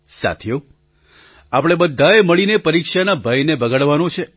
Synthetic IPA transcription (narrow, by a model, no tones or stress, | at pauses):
sa̰t̪ʰijo | apɽ̃ebəd̪ʱːaeməɭinepəɾikʃanabʱajnebəɡəɭʋanõt͡ʃʰe